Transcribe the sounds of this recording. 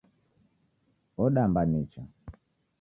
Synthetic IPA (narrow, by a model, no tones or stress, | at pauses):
ɔɗambanit͡ʃa